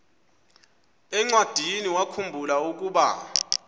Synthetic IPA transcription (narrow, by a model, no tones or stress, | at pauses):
ɛŋ͡ǀwad̥ʱiniwakʰumbʱulauk̬ʼuːɓa̰